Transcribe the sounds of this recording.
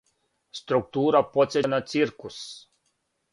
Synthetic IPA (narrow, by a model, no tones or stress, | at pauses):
st̪ɾuk̚t̪uːɾapɔt̪sʲɛnɐt̪sʲiɾkʊs